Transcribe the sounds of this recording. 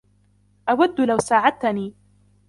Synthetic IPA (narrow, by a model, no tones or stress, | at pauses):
ʔawad̪ːʊlawsaːʕad̪̚t̪niː